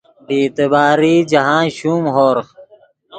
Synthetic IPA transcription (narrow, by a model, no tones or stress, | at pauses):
ɖiːt̪ebaːɾiːd͡ʑɐɦãːɕuːmɦoːɾx